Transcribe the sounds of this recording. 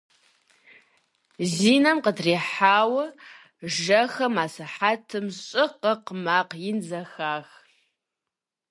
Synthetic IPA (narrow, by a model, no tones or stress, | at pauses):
ziːnɐmqədreːħaːwɐ | ʒɐxɐmaːsɐħatʰɨmɕʼɪqəqəmaːqjɪnzɐxaːx